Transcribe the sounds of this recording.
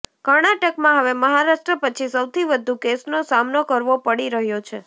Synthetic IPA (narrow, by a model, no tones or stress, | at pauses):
kəɾɳaʈəkmãɦəʋeməɦaɾaʃʈɾəpət͡ʃʰisəwt̪ʰiʋəd̪ʱukesnosamnokəɾʋopəɽiɾəɦjot͡ʃʰe